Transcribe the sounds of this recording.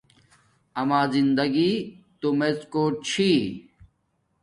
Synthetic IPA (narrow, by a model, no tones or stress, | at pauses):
ɐmaːzind̪ɐɡit̪umeskoːt͡ɕʰi